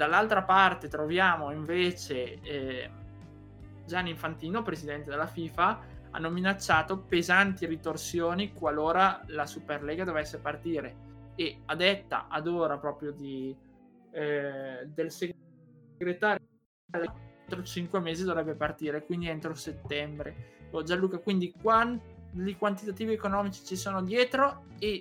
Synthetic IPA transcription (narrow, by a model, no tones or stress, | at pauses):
d̪̥alːalt̪ɾapart̪et̪ɾovjaːmoiɱveːt͡ʃe | d͡ʒanːiɱfant̪iːnopɾezid̪ɛnt̪ed̪elːafiːfa | a̰nːominat͡ʃːaːt̪opezant̪iɾit̪orsjoːnikwaloːɾalasuperlɛːɡad̪ovɛsːepart̪iːɾeead̪ɛt̪ːa̰ʔad̪oːɾapɾɔːpɾjod̪i | d̪else | ɡɾet̪aːɾ | alːat̪ɾot͡ʃiŋkwemeːzid̪ovɾɛbːepart̪iːɾekwind̪ient̪ɾoset̪ːɛmbɾeod͡ʒalːuːkakwind̪ikwanlikwant̪it̪at̪iːviekonɔːmit͡ʃi̥t͡ʃisoːnod̪jɛːt̪ɾoe